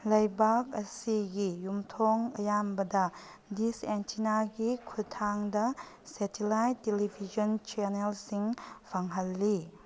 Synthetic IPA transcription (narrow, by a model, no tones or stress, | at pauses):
lɐjbak̚ɐsiɡijumtʰɔŋɐ̰jambɐdɐ | disentʰinaɡikʰutʰaŋdɐ | sɛtilajtːelibʱid͡ʒɔnt͡ʃeɾnelsiŋbʰʱaŋɦɐlːi